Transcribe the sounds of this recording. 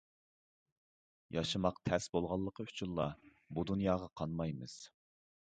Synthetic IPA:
jɑʃɨmɑqt̪ʰɛsbolˠʁɑlˠːəqʰəyt͡ʃʰynlˠɑ | bud̪unjɑːʁɑqʰɑnmɑjmɨz̥

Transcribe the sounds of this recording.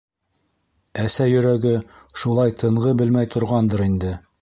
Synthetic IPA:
æsæjɵ̆ɾæɡɘ | ʃulˠɑjt̪ʰɤ̆ɴʁɤbɘlmæjt̪ʰŏɾʁɑnd̪ɤɾind̪ɘ

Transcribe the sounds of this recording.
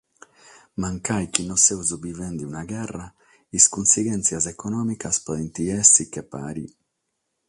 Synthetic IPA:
maŋkajkinːɔsɛwzubivɛnd̪iunaɡɛrːa | iskunsiɡɛnt̪sjazɛkɔnɔːmikaspint̪iɛsikepːa̰ːɾḭ

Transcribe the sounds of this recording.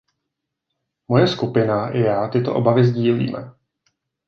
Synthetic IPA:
mo̞jɛskupɪnaʔɪjaːt̪ɪt̪o̞ʔobavɪzɟiːlḭːmɛ̰

